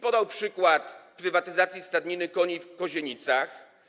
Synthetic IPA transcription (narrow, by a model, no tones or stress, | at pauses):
pɔd̪awpʂɘkwat̪pɾɘvat̪ɘzat̪sʲjist̪ad̪ɲinɘkɔɲifkɔʑeɲit̪sax